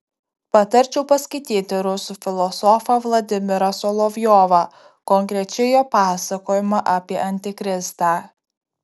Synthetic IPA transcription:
pɐt̪ɐɾʲt͡ʃʲɛʊpɐsʲkɐɪt̪ʲiːt̪ʲɪɾʊsʊfʲɪlˠɔsɔfɐʋlˠɐd̪ʲɪmʲɪɾɐsɔlˠɔʋʲjɔːʋɑ | kɔŋʲkɾʲɛt͡ʃʲɛɪjoːpɑːsɐkoːjɪmɐʔɐːpʲiɛʔɐnʲt̪ʲɪkɾʲɪst̪aː

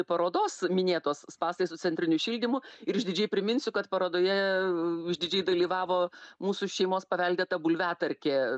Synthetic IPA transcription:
pɐɾoːd̪oːsmʲɪnʲeːt̪oːsspɑːsɐɪsʊt͡sʲɛnʲt̪ʲɾʲɪnʲʊʃʲiːlʲd̪ʲɪmʊɪɾɪʒʲd̪ʲɪd͡ʒʲɛɪpʲɾʲɪmʲɪnʲsʲʊkɐt̪pɐɾoːd̪oːjɛ | ɪʒʲd̪ʲɪd͡ʒʲɛɪd̪ɐlʲiːʋɑːʋoːmuːsʊʃʲɛɪmoːspɐʋʲɛlʲd̪ʲet̪ɐbʊlʲʋʲæːt̪ɐɾʲkʲeː

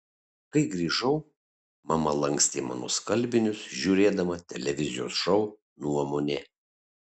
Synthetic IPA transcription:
kɐɪɡɾʲiːʒɐʊ | mɐmɐlˠɐŋʲksʲt̪ʲeːmɑ̰ːno̰skɐlʲbʲɪnʲʊsʒʲuːɾʲeːd̪ɐmɐt̪ʲɛlʲɛʋʲɪzʲɪjo̰ːsʃɐʊ | nuɔmonʲeː

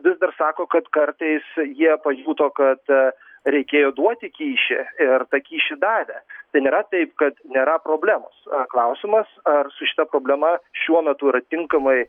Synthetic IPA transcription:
ʋʲɪzd̪ɐrsɑːkoːkɐt̪kɐrt̪ɐɪsjiɛpɐjuːt̪oːkɐt̪ | ɾʲɛɪkʲeːjoːd̪uɔt̪ʲɪkʲiːʃʲɪ̰ɪrt̪ɐkʲiːʃʲɪd̪ɑːʋʲæːt̪ɐɪnʲeːɾɐt̪ɐɪpkɐt̪nʲeːɾɐpɾoːbʲlʲæːmo̰sɐklˠɐʊsʲɪmɐsɐrsʊʃʲɪ̥t̪ɐpɾoːbʲlʲɛmɐʃʲuɔmʲɛt̪ʊɪɾɐt̪ʲɪŋkɐmɐɪ

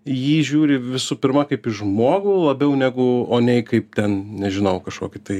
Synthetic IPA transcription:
jiːʒʲuːɾʲɪʋʲɪsupʲɪɾmɐkɐɪpɪʒmoːɡʊlˠɐbʲɛʊnʲæːɡʊoːnʲɛɪkɐɪp̚t̪ʲɛnnʲɛʒʲɪnɐʊkɐʃko̰ːkʲɪt̪ɐɪ

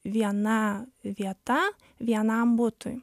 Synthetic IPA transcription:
ʋʲiɛnɐʋʲiɛt̪ɐ | ʋʲiɛnɐmbʊt̪ʊj

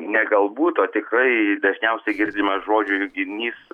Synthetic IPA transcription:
nʲɛɡɐlˠbuːt̪oːt̪ʲɪkrɐɪd̪ɐʒʲnʲɛʊsʲɛɡʲɪrʲd̪ʲɪmɐsʒoːd͡ʒʲʊjʊɡʲɪnʲiːs

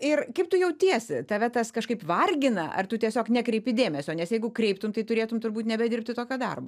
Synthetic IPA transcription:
ɪrkɐɪp̚t̪ʊjɛʊt̪ʲiɛsʲɪt̪ɐʋʲɛt̪ɐskɐʃkɐɪpʋɐrʲɡʲɪnɐʔɐ̰rt̪ʊt̪ʲiɛsʲoːknʲɛkɾʲɛɪpʲɪd̪ʲeːmʲɛsʲoːnʲɛsjɛɪɡʊkɾʲɛɪpt̪ʊmt̪ɐɪt̪ʊɾʲeːt̪ʊmt̪ʊrbuːt̪nʲɛbʲɛd̪ʲɪɾrp̚ʲt̪ʲɪt̪oːkʲoːd̪ɐ̰rbo

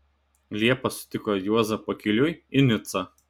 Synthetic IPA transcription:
lʲiɛpɐsʊ̥t̪ʲɪkɔjuɔzɐpɐkʲɪlʲʊjɪnʲʊt̪sɐ

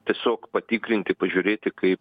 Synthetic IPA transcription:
t̪ʲiɛsʲoːkpɐt̪ʲiːkɾʲɪnʲt̪ʲɪpɐʒʲʊɾʲeːt̪ʲɪkɐɪp

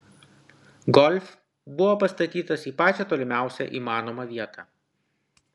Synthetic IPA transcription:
ɡɔlʲf | bʊʋoːpɐst̪ɐt̪ʲiːt̪ɐsiːpɑːt͡ʃʲɛt̪oːlʲɪmʲæˑʊsʲɛ̰ʔḭːmɑːnomɐʋʲiɛt̪ɑ

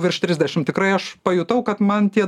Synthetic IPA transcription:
ʋʲɪrʃt̪ʲɾʲɪzʲd̪ʲɛʃʲɪmt̪ʲɪkɾɐɪɐʃpɐjuːt̪ɐʊkɐt̪mɐnt̪ʲiɛ

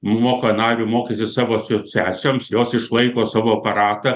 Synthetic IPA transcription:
moːkoːnɑːɾʲʊmoːkʲesʲɪsɑːʋoːsʲot͡sʲæːsʲomsjoːsɪʃlˠɐɪkoːsɑːʋoːɐpɐɾɑːt̪ɐ

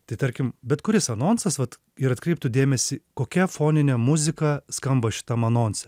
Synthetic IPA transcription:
t̪ɐɪt̪ɐɾʲkʲɪmbʲɛt̪kʊɾʲɪsɐnoːnsɐsʋɐt̪ | ɪɾɐt̪kɾɛɪp̚t̪ʊd̪ʲeːmʲɛsʲɪkoːkʲɛfoːnʲɪnʲɛmʊzʲɪkɐskɐmbɐʃʲɪ̥t̪ɐmɐnoːnsʲɛ

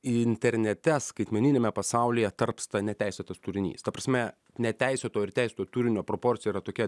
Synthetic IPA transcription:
ɪnʲt̪ʲɛɾʲnʲɛt̪ʲɛskɐɪt̪ʲmʲɛnʲɪnʲeːmʲɛpɐsɑˑʊlʲijɛt̪ɐɾpst̪ɐnʲɛt̪ʲæɪsʲet̪ɐst̪ʊɾʲɪnʲḭːst̪ɐpɾɐsʲmʲɛ | nʲɛt̪ʲæɪsʲot̪oːɪɾt̪ʲæˑɪsʲoːt̪oːt̪uɾʲɪnʲoːpɾopoːɾʲt͡s̪sʲɪjɛiɾɐt̪oːkʲɛ

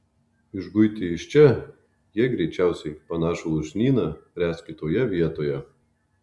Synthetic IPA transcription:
ɪʒɡʊɪt̪ʲɪɪʃʲt͡ʃʲɛ | jiɛɡɾʲɛɪt͡ʃʲæˑʊsʲɛɪpɐnɑːʃoʊʒʲnʲiːnɐpʲɾʲæːskʲɪt̪oːjɛʋʲiɛt̪oːjɛ

